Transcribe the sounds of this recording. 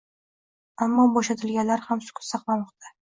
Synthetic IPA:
amːɒbɒʃat̪ʰɪlɡʲanlaɾhamsʊ̥kʲʰʊ̥sɑqlˠamɒqt̪ʰa

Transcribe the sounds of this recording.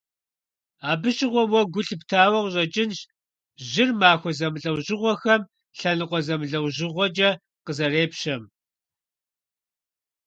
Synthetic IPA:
aːbɨɕʼɪʁʷɔwɔɡʷʊɬɨptʰaːwɐʁʑʼɐt͡ʃʼɪnʃ | ʑɪrmaːxʷɔzɐmɮʼɐwʑɪʁʷɔxɐm | ɬɐnɨqʷʼɔzɐmɨɮɐwʑɪʁʷɔt͡ʃʼɐ | qəzɐreːpɕɐm

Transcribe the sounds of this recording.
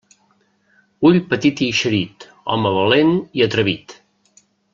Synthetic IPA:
uʎpət̪it̪iʃəɾit̪ | ɔ̰məβ̞əleniət̪ɾəβit̪

